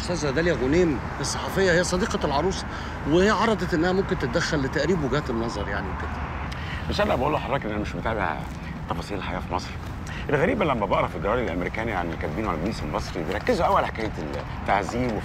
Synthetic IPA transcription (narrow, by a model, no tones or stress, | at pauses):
sæːzæd̪æljæɣoneːm | esˤːɑħɑfejːæhejːæsˤɑd̪iːqɑlʕɑɾˤuːsˤ | wehejæʕɑɾˤɑd̪ˤɑt̪ʔenːæhæmomkent̪et̪̚d̪æxːælːet̪ːæʔɾiːbweɡæːt̪ebnɑzˤɑɾˤjaʕniweket̪æ | besælːæbæʔuːlːoħɑɾˤrˤɑːkʔnʔænæmeʃbet̪aʕbeh | t̪ˤːɑfɑsˤiːlelħajæːfimɑsˤɾ | ʔelɣæɾiːbælæmːæbɑʔɾˤɑfid̪æwæːldelʔæ̰meɾikæːniʕa̰nelkæt̪̚biːnwalælɡbiːselmɑsˤɾibeɾˤɑkːezoʔæwːælħakæːj | t̪ːaʕziːbw